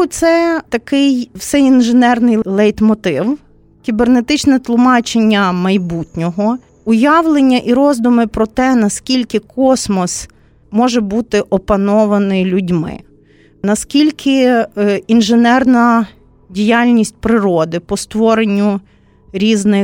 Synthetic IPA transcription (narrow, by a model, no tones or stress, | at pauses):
ʊt̪sɛt̪ɐkɪjwsɛinʒenɛrnɪjlˠɛjt̪mɔt̪ɪw | kʲibernet̪ɪt͡ʃnɛt̪lˠʊmɑt͡ʃenʲːɐmɐjbutʲnʲɔɦɔ | ʊjɑʋlˠenʲːɐʔiɾɔzd̪ʊmɪpɾɔt̪ɛnɐskʲilʲkɪkʰɔsmɔs | mɔʒɛbut̪ɪʔɔpɐnɔʋɐnɪjlʲʊdʲmɪ̰ | nɐskʲilʲkʰɪ | inʒenɛrnɐ | dʲijɑlʲnʲisʲt̚ʲpɾɪɾɔd̪ɪpɔst̪ʋɔɾenʲːʊ | ɾʲiznɪ